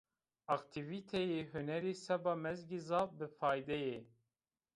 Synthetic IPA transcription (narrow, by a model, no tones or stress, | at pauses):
ɑkt̪ʰivit̪ʰɛjeɦunɛɾiːsɛbɑːmɛzɡizɑːp̚bɨfɑːjd̪ɛje